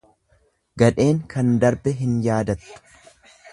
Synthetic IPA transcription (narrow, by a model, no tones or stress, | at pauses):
ɡɐᶑe̞ːŋkʰɐnd̪ɐɾbɛɦɪnjaːd̪ɐt̪ʊ̥